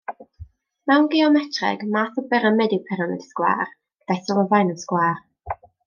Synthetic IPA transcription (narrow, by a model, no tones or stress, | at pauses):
mɛwnɡɪɔmɛtʰrɛ̰ɡmaːθəbɛɾəmɛdipʰɛɾəmɛdskwa̰ːr | ɡ̥əd̥aθɔlˠəvajnənskwaːr